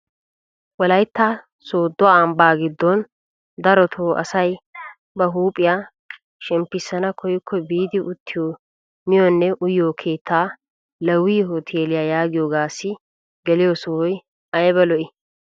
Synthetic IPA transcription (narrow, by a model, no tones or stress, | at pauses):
wɔlɐjt̪ːa | soːd̪ːɔaɐmbaːɡɪd̪ːɔn | d̪ɐɾɔt̪ʰoːʔɐ̰sɐj | bɐɦuːpʼːɪjaː | ʃɛmpːɪsːɐnɐkʰɔjɪkʰːɔbiːd̪ɪʔʊt̪ːɪjoː | mɪjɔnːɛʔʊjːoːkʰeːt̪ʰːaː | lɐwːiːɦot̪ʰeːlɪjaːjaːɡɪjoːɡaːsːɪ | ɡɛlɪjɔsɔhɔj | ɐjbɛlɔʔɪ